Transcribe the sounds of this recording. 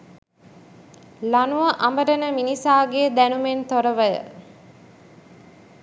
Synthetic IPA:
lanuʋɐʔambəɾənəminisaːɡeːd̪ænument̪oɾəʋəjə̰

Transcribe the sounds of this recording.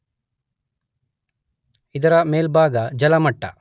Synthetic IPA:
id̪ɐɾɐmeːlbʱaːɡɐd͡ʒɐlɐmɐʈːɐ̰

